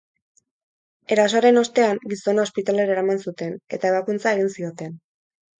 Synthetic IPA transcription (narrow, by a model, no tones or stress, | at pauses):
e̞ɾasoaɾe̞no̞st̪e̞aŋɡiso̞naospit̪ale̞ɾaeɾamansut̪e̞ne̞t̪ae̞βakunt͡sae̞ɣ̞insio̞t̪e̞n